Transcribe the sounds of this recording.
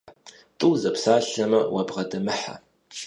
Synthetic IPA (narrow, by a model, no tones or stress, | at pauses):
tʼuwzɐpʰsaːɬɐmɐwɐbʁɐdɐmɨħa̰